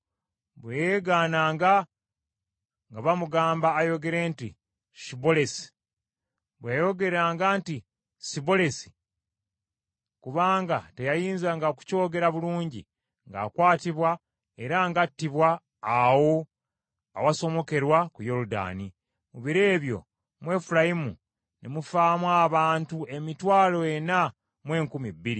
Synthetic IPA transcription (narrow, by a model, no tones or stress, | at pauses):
βwejeɡaːnaːŋɡa | ŋɡaβamuɡaːmbaːjo̞ɡe̞ɾe̞ːnti | sibo̞le̞si̥ | βweːjo̞ɡe̞ɾaːŋɡaːnti | sibo̞le̞si̥ | kuβaːŋɡate̞jajiːnzaŋɡaoku̥co̞ːɡe̞ɾaβuluːɲɟḭ | ŋɡa̰ːkwaːtiβwa | e̞ɾaŋɡatːiβwaː | wo̞ | awaso̞mo̞ke̞ɾwakujo̞ɾuda̰ni | muβiɾeːβjo̞̰ | mwe̞ːfulajimu | nemufaːmwaːβaːntue̞mitwaːlo̞jena | mwe̞ːŋkumibːiɾi